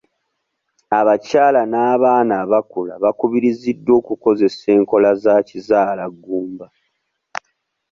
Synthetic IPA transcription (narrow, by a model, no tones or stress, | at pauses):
aβacaːlanaːβaːnaːβakulaβakuβiɾizidːo̞ːkuko̞ze̞se̞ːŋko̞lazacizaːlaɡːuːmba